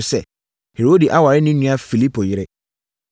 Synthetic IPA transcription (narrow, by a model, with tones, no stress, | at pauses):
sɛ˨ | he˨ɾo˦di˨ʔa˦wa˨ɾɪ˦nɪ̃˦nũ˦a˦fi˨li˦pʰo˨jɪ˨ɾɪ˦